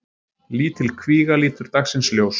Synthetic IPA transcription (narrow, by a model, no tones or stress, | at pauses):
liːt̪ʰɪlkʰviːɣaliːt̪ʏɾ̥t̪aksɪnsljows